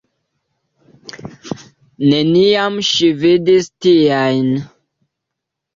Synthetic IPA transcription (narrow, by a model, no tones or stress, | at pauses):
neniamʃividistiajn